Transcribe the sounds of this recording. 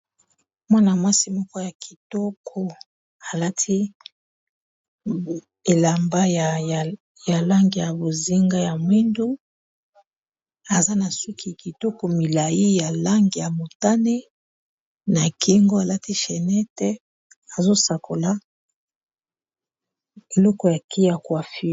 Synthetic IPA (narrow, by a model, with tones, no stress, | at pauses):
mwa˦na˨mwa˦si˨˦mɔ˦kɔ˦ja˨kʰi̥˨tɔ˦kʰo˦ | a˨la˦tʰi˦ | e˨la˨mba˦˨ | ja˨la˦ŋɡi˨ja˨bo˨zi˦ŋɡa˦ja˨mwi˦ndu˦ | a˨za˦na˨su˦kʰi˨ki˨tɔ˦kɔ˨mi˨la˨ji˦ja˨la˦ŋɡi˨ja˨mo˨ta˦nɛ˦ | na˨ki˦ŋɡo˦a˨la˦ti˦ʃɛ˨nɛ˦tɛ˦ | a˨zo˦sa˨ko˨la˦ | e˨lɔ˦kɔ˨ja˨kʰi˦ja˨kwa˨fi˦